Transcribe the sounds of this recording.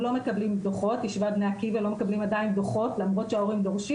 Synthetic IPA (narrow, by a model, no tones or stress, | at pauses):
lo̞me̞kablimbd̪oχo̞t̪ːiʃvabneakivalo̞mekablimad̪ainbd̪oχo̞tlamʁo̞tʃeaoʁimd̪oʁʃi